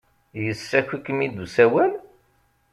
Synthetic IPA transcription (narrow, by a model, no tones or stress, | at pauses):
jəsːæçʷikːəmid̪usæwæl